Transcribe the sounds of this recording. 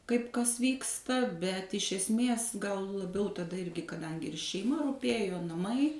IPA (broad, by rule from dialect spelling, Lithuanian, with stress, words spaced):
ˈkɐɪp ˈkɐs ˈʋʲiːkstɐ bʲɛt ɪʃ ɛsʲˈmʲeːs ɡɐlˠ lˠɐˈbʲɛʊ tɐˈdɐ ˈɪrʲɡʲɪ kɐˈdɐŋʲɡʲɪ ɪr ʃʲɛɪˈmɐ rʊˈpʲeːjoː nɐˈmɐɪ